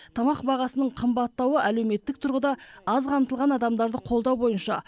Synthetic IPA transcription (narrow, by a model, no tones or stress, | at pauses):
t̪ʰɑmɑqbɑʁɑsənəɴqʰəmbɑt̪ːɑwəʔæle̞wme̞t̪ːɪk̚t̪ʰʊɾʁəd̪ɑɑzqʰɑmt̪əlˠʁɑnɑd̪ɑmd̪ɑɾd̪əqʰo̞lˠd̪ɑwbo̞jənʃɑ̰